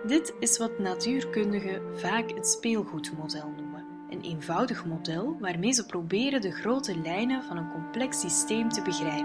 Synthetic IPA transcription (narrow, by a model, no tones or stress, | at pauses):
dɪtɪsʋɑtnatyːrkɵndəɣəvaːkɦətspeːlˠɣutmodɛlˠnumə | ʔəneːnvɑwdəxmodɛlˠʋaːrmeːjzəprobɪːɾədəɣroːtəlɛjnəvɑnənkɔmplɛksisteːmtəbəɣrɛjp